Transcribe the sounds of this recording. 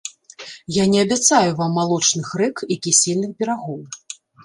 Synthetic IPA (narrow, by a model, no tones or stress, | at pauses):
janʲɛɐbʲat̪sajuvamːalˠɔt͡ʂnɨxrɛkikʲisʲilʲnɨxpʲɛɾaɣɔw